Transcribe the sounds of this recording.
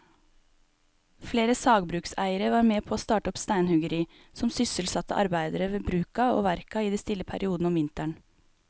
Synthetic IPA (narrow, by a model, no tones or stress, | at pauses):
fleːɾəsɑːɡbɾʉːksæ̰ɪəɾəʋɑːɾmeːpʰoːoːst̪ɑːʈəɔpst̪æɪnhʉɡəɾiː | sɔmsʏsəlsɑt̪ə̰ʔɑ̰ɾbæɪd̪əɾəʋeːbɾʉːkɑo̰ːʋæɾkɑiːd̪ɛst̪ɪləpʰæ̰ɾʔɪuːd̪n̩ɔmʋɪnt̪æɳ